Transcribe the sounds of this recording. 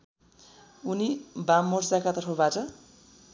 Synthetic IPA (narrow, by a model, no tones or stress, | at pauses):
unibamːord͡zakat̪ʌʈʰowbatʌ